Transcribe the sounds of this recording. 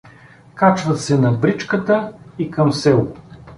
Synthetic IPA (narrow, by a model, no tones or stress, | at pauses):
kat͡ʃvət̪sɛnɐbɾit͡ʃkət̪əikɐmsɛlˠ